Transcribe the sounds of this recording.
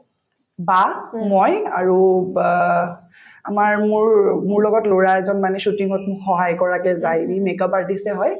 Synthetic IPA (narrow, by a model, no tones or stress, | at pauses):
bamɔja̰ɹu | amaɹmʊɹmʊɹlɔɡɔtloɹaɛzɔnmanɛsutiŋɔtxɔɦajkɔɹakɛzajimekapaɹdisɛɦɔj